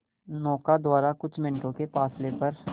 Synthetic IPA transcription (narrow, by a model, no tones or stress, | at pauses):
nɔːkad̪ʊwaːɾakʊt͡ʃʰmɪ̃nʈõkepaːslepɐɾ